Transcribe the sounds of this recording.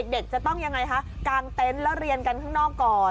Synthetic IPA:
e˨˩k̚de˨˩k̚t͡ɕa˨˩t̪ɔ˥˩ŋja˧ŋːa˧jkʰa˦˥ʔkaː˧ŋt̪e˦˥nlɛ˦˥wɾi˧ənka˧nkʰaː˥˩ŋnɔː˥˩kːɔː˨˩

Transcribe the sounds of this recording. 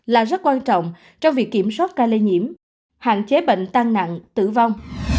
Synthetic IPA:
laː˨˩zt̚kwaː˧nt͡ɕɔ̰˧˨wŋ͡m | t͡ɕɔ˧wŋ͡mvi˨˩əkːi˧˩əmswa˦˥t̚kaː˧le˧ɲḭ˧˩əm | ha̰ː˧˨nt͡ɕe˨˦ɓḛ˧˨ŋ̟t̪aː˧ŋna̰˧˨ŋt̪ɨ̰˧˨va˧wŋ͡m

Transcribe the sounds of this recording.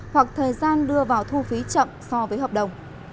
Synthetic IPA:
hwa˨˩k̚t̪ʰəː˨˩jzaː˧nɗɨ˧əvaː˨˩wt̪ʰu˧fi˨˦t͡ɕə̰˧˨msɔ˧vəː˨˦jɦəː˨˩p̚ɗə˨˩wŋ͡m

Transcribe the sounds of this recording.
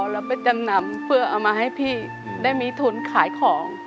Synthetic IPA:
lɛ˦˥pe˧nt͡ɕa˧mna˧mpʰɯ˥˩ɐʔa˧˩wmaː˧ɦa˥˩jpʰiː˥˩ | daː˥˩jmiː˧t̪ʰu˧˩nkʰaː˨˩˦jkʰɔː˩˦ŋ

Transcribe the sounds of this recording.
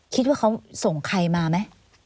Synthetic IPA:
kʰi˦˥t̪̚waː˥˩kʰa˦˥wso˨˩ŋkʰa˧jmaː˧ma˦˥j

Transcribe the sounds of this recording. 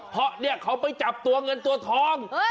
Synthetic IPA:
pʰɔ˦˥ni˥˩əkʰa˨˦˥wpa˧jt͡ɕa˨˩p̚t̪u˧ɐŋɤ˧nt̪u˧ɐt̪ʰɔː˧˥ŋ

